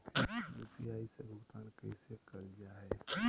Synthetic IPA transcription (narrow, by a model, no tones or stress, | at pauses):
juːpiaːisebʊɡt̪aːnkɛɪsekɐld͡ʒaːɦɛː